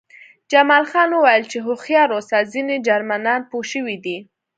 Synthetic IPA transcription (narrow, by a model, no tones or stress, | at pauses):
d͡ʒamɑlxɑnwəwajəlt͡ʃeɦʊxjɑɾosazined͡ʒaɾmanɑnpoʃəwid̪i